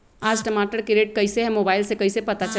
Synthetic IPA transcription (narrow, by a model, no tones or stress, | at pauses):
ad͡ʒʈəmaʈəɾkiɾeʈ̚kəɪseɦɛ̃mobailsekəɪsepət̪at͡ʃə